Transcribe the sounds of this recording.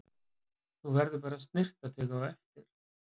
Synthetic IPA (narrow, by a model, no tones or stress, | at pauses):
θuvɛɾðʏpaːɾaðst̪nɪr̥t̪at̪ʰɛːkawɛft̪ɪɾ̥